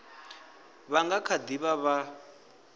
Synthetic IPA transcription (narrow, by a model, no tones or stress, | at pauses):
βaŋɡakʰad̪iβaβa